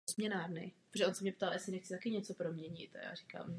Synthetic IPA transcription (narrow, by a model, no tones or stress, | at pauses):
zmɲɛnaːɾnɪ̰pɾoʒɛʔonsɛmɲɛpt̪aljɛsɪnɛxt͡sɪt̪akɪɲɛt͡so̞pɾo̞mɲɛɲɪ̰t̪a̰ja̰ːɾika̰ːm